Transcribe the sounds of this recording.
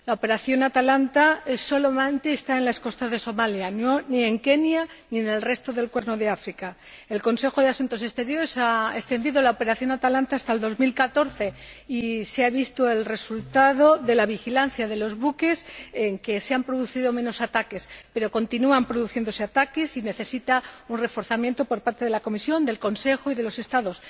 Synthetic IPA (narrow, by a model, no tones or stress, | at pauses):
laope̞ɾaθjo̞nat̪alant̪aeso̞lo̞mant̪eːst̪aenlasko̞st̪azðe̞so̞maljannie̞ŋke̞njaniene̞lre̞st̪o̞ðe̞lkwe̞ɾno̞ðe̞afɾika | elko̞nse̞xo̞ðeasunt̪o̞se̞st̪e̞ɾjo̞ɾesaest̪e̞nd̪iðolaope̞ɾaθjo̞nat̪alant̪aːst̪ald̪o̞zmilkat̪o̞ɾθe̞iseaβ̞ist̪oe̞lre̞sult̪aðoðe̞laβ̞ixilan̟θjaðe̞lo̞zβuke̞seŋke̞seampɾoðuθiðo̞mẽ̞no̞sat̪ake̞spe̞ɾo̞ko̞nt̪inuampɾo̞ðuθje̞nd̪o̞seat̪akesine̞θe̞sit̪aunre̞fo̞ɾθamje̞nt̪o̞po̞ɾpaɾt̪e̞ð̞elako̞misjo̞nd̪e̞lko̞nse̞xoiðe̞lo̞se̞st̪aðo̞s